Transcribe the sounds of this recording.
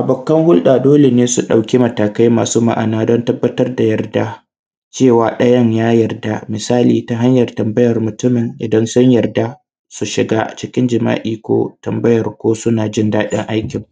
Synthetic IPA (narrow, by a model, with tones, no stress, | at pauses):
ʔa˨bʊ˨kːɐ˦ŋhʊ˦lɗa˨doː˦le˨neː˦su˨ɗa˨wkʲi˦mɐ˨taː˨ka˦jmaː˨suː˦ma̰˦ʔa̰˨naː˦dɔ˦ntɐ˦bːɐ˦tɐ˦rda˨jɐ˨rda˦ | t͡ʃeː˦˨waː˨ɗɐ˦jɐ˦ɲjaː˦jɐ˨rda˦˨mɪ˨saː˦liː˨ta˦ɦa˦ɲjɐ˨rtɐ˨mbɐ˦jɐ˨rmʊ˨tʊ˦mɪ˨ŋʔɪ˨dɐ˦nsʊ˦ɲjɐ˨rda˦ | su˨ʃɪ˨ɡaː˦t͡ʃɪ˦kʲɪ˦nd͡ʒɪ˨ma̰ː˦ʔiː˨kʷo̰ː˦tɐ˨mbɐ˦jɐ˨rkʷoː˦sʊ˦naː˨d͡ʒɪ˦ndaː˦ɗɪ˦ŋʔa˦jkʲɪ˨ŋ